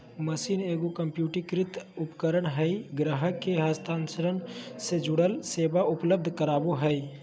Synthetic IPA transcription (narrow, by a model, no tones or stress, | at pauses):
məsiːneːɡokəmpjuːʈikɾɪt̪ʊpkəɾəɽɦɛiɡɾəɦəkːeɦəst̪ʰaːnsəɾənsed͡ʒʊɽəlseːbaʊpləb̚d̪ʱkəɾaːboɦɛi